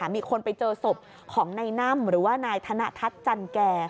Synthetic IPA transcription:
a˦˩miː˧kʰo˧npa˧jt͡ɕɤː˧so˨˩p̚ | kʰɔː˩˦ŋna˧jna˥˩mɾɯː˩˦waː˥˩naː˧jt̪ʰa˧na̰˦˥t̪ʰa˦˥t̪̚t͡ɕa˧nkɛː˧

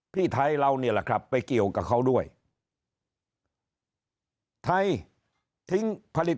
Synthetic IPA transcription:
pʰiː˥˩t̪ʰa˧˥jɾa˧wni˥˩ɐla˨˩kʰɾa˦˥pːa˧jki˨˩əwka˨˩kʰa˦˥˩wdu˥˩əj | t̪ʰa˧j | t̪ʰi˦˥ŋpʰa˧li˨˩t̪̚

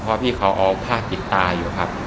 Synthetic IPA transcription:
pʰɔː˧˥pʰiː˥˩kʰa˨˦wʔɔː˧pʰaː˥˩k̚t͡ɕi˨˩t̪ːaː˧juː˨˩kʰa˦˥p̚

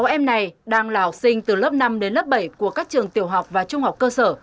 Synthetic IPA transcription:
wʔɛ˧mna˨˩jɗaː˧ŋlaː˨˩hɔ˨˩k͡p̚sï˧ŋ̟t̪ɨ˨˩ləː˦˥p̚na˧mɗe˨˦nləː˦˥p̚ɓə˧˩jku˧˩əkaː˦˥k̚t͡ɕɨ˨˩əŋt̪i˧˩əwɦa˨˩wk͡p̚vaː˨˩t͡ɕʊ˧ŋ͡mha˨˩wk͡p̚kəː˧səː˧˩

